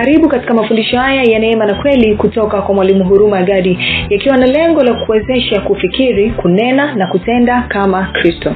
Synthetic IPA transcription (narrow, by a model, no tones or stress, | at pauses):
aɾiɓukati̥kamafundiʃɔhajajanɛɛmanakwɛlikutɔkakwamwalimuɦuɾumajaɠaɗijakiwanalɛŋɡɔlakuɛzɛʃakufikiɾikunɛnanakutɛndakamakɾistɔ